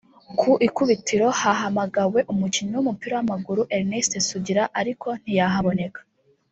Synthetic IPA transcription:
kʰuʔikuβitiɾo̞haɦamaɡawe̞ʔumuciɲowumupiɾawamaɡuɾuʔeɾnestesuɟiɾaʔaɾikʰo̞n̥ijaɦaβo̞ne̞kḁ

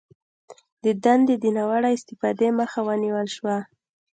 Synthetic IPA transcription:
d̪əd̪and̪ed̪inawaɽaɪst̪ɪfɑd̪eməxawəniwəlʃwa

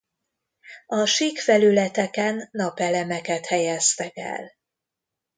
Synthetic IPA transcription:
ɒʃiːkfɛlylɛt̪ɛkɛnːɒpɛlɛmɛkɛt̪hɛjɛst̪ɛkɛ̰l

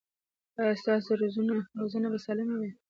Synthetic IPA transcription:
st̪ɑsoɾozunaɾozənabasɑlɪmawi

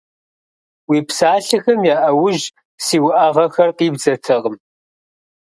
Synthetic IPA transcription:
wiːpsaːɬɨxɐmjaːʔɐwʊʒ | siːwʊʔɐʁɐxɐrqiːbzɐtʰɐʁəm

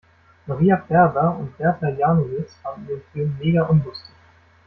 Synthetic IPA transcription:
maʁiːafɛɐbɐʊntb̥ɛɐtʰɛjaːnovɪt͡sv̥aːʁəniːʁənfyːnmeːɡɐʔʊnlʊstɪ̥ç

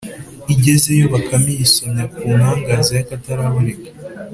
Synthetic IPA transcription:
iɟe̞ze̞jo̞βakʰamisoɲakuːnhaːŋɡaːzajakataɾaβuɾekḁ

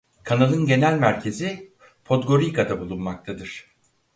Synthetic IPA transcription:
kʰanalˠɯnɟe̞nælʲmæɾcʰe̞zi | pʰo̞t̪ɡo̞ɾikʰad̪abulˠunmak̚t̪ʰad̪ɯɾ̥

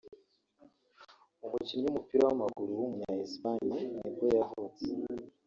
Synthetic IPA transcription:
umucimiɲumupiɾawamaɡuɾuwumuɲahespaɲinibɡojaɦot͡se

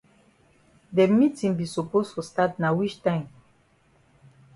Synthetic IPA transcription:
dɛmitĩŋbisɔpostustatnawit͡ʃtãɪ̃m

